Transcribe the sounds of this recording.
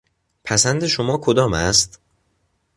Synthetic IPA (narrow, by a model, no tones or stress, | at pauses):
pʰæsænd̪e̞ʃomɒːkʰod̪ɒːmæst̪